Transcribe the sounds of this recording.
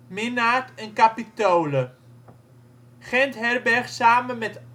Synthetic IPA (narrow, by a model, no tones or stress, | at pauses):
mɪnaːtɛnkapitowlə | χɛntɦɛrbɛɹχsaːmənmɛt